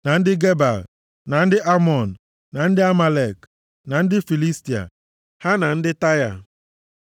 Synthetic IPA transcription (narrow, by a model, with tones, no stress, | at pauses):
na˨n̩˦dɪ˦ɡe˦ba˨l | na˨n̩˦dɪ˦ʔa˦mɔ˨n̩˨ | na˨n̩˦dɪ˦a˦ma˨le˨k | na˨n̩˦dɪ˦fi˨li˦sti˨a̰˨ | ha˦na˨n̩˦dɪ˦ta˦ja̰˨